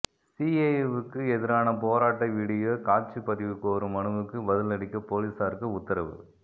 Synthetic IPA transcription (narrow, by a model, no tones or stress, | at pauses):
sieɛʋɯkːɯɛðɪɾaːnɐp̬oːɾaːʈːɐʋiːɽɪjokaːt͡ʃɯpɐðɪʋɯkːoːɾɯmɐnɯʋɯkːɯbɐðɪlɐɽɪkːɐpoːliːsaːɾɯkːɯʊt̪ːɐɾɐʋɯ̰